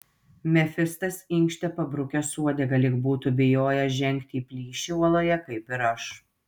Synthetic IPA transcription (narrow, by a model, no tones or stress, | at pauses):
mʲɛfʲɪst̪ɐsɪŋʲˑkʃʲt̪ʲɛpɐbɾʊkʲosuɔd̪ʲɛɡɐlʲɪkbuːt̪ubʲɪjoːjɛʒʲɛŋʲkt̪ʲiːpʲlʲiːʃʲiuɔlˠoːjɛkɐɪpɪɾɐʃ